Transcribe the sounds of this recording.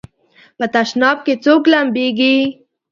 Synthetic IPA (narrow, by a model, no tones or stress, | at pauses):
pət̪aʃnɑb̚ket͡suklambiɡi